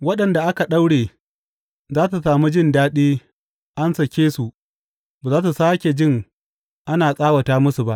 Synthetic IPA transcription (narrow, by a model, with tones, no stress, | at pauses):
wɐ˦ɗɐ˨nda˨ʔa˦ka˨ɗa˦wɽeː˨ | zaː˦tu˨saː˨mu˦d͡ʒɪ˦ndaː˦ɗiː˦ | ʔa˦nsɐ˨kʲeː˦su˨ʔ | baː˨zaː˦t̬u˨saː˦kʲe˨d͡ʒɪ˦ŋ | ʔa˦naː˨sʼaː˦wɐ˨taː˦mʊ˦su˨ba˦ʔ